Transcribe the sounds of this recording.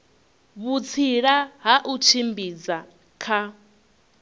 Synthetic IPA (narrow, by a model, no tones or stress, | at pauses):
βut͡sʰiɺaɦaʔut͡ʃʰimbid͡za | kʰa